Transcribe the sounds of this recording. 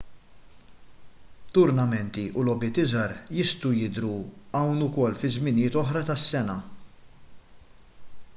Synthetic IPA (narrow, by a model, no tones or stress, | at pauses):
t̪ʊɾnɐmɛnt̪iʔulɔbɪt̪ɪzɐɾjɪst̪ujɪd̪ɾuɐwnʊkɔlːfɪzmɪnɪːt̪ɔħɾɐt̪ɐsːɛnɐ